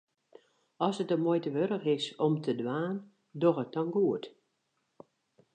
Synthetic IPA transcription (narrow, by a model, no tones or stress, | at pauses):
ɔsətəmojtəʋøɾəxɪsɔmtʰədwaːn | doxət̚dɔnɡuət